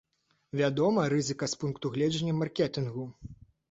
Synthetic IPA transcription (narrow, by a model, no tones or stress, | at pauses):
vʲad̪ɔmɐɾɨzɨkɐspunkt̪uɣlʲɛd͡ʒɐnʲːɐmarkʲɛt̪ɨnɣu